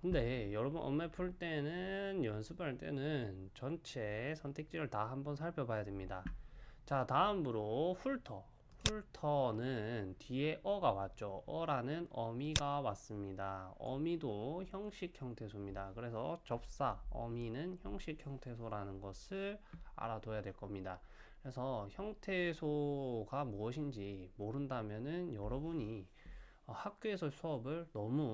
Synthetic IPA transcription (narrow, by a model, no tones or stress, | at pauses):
kɯnde̞jʌɾʌbunʔʌ̰mːepʰuɭt͈e̞nɯnjʌnsʰɯbaɭt͈e̞nɯnt͡ɕʌnt͡ɕʰesʰʌntʰe̞k̚t͡ɕ͈iɾɯɭtahambʌnsʰaɭpʰjʌbajadwemɲidat͡ɕataɯmbɯɾoɸuɭtʰʌ | ɸuɭtʰʌnɯntie̞ʔʌɡawat̚t͡ɕ͈oʔʌɾanɯnʌmiɡawas͈ɯmɲidaʌ̰midoçjʌŋɕʰik̚ʰçjʌŋtʰe̞sʰomɲidakɯɾe̞sʰʌt͡ɕʌp̚s͈aʌ̰minɯnçjʌŋɕʰik̚çjʌŋtʰe̞sʰoɾanɯnɡʌsʰɯɭa̰ɾadojadwe̞ɭk͈ʌmɲida | kɯɾe̞sʰʌçjʌŋtʰesʰoɡamuʌɕ̬ʰind͡ʑimoɾɯndamjʌnɯnjʌɾʌbuɲi | ʌhak̚k͈oesʰʌsʰuʌbɯɭnʌmu